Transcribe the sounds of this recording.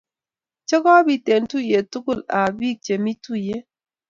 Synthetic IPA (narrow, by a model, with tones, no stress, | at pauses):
t͡ʃə˦kɔ˦bi˨te˨ntu˦je˨tu˦kʊ˦˨la˨bi˦˨k̚t͡ʃe˨mi˦tu˦je˦